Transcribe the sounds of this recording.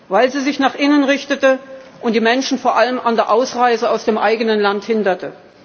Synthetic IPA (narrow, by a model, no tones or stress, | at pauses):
vaɪlziːzɪçnaːχʔɪnənʁɪçtətəʔʊntd̥iːmɛnʃn̩foːɐʔaləmandeːɐʔaʊsʁaɪzəaʊsd̥eːmʔaɪɡənənlanthɪndɐtə